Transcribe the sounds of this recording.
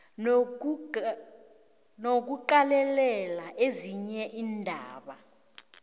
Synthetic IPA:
nok̬uǃalɛlɛlaʔeziɲɛʔiːndʱaːɓa

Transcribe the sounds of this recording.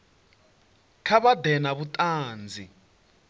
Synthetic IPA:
kʰaβadɛnaβutʼaːnd͡zʱi

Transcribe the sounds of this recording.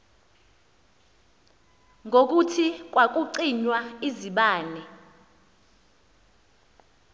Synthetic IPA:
ŋɡok̬utʰik̬ʼwak̬uǀiɲwaiziɓaːnɛ

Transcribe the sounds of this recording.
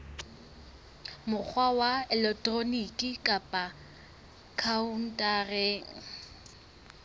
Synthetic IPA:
mʊk͡xʰwawaɛlɛk̚tʼronikʼɪkʼapʼa | kʰaun̩tʼareːŋ̩

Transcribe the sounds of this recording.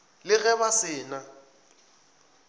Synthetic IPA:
lɪɣɛbasɪːna

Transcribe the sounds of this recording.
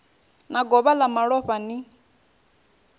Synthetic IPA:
naɡɔβalamaɺɔɸani

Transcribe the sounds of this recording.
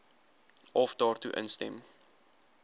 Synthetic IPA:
ʔɔfdɑːrtuʔə̰nstɛ̰m

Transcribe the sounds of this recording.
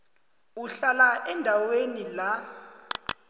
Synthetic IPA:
uɬalaʔɛndʱawenila

